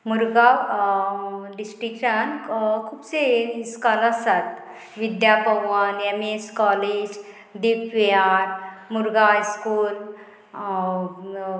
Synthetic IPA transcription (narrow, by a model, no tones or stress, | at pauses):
muɾɡa | ɖisʈɾikʂənkʰuːpt͡seskalasat̪ | ʋid̪japəʋanemeskɔled͡ʑ | d̪ipʋeaɾmuɾɡaɦjskuːl